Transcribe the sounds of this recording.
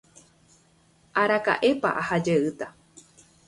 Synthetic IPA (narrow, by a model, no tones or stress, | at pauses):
ʔaɾaka̰ʔe̞pa̰ʔahad͡ʒeɨt̪a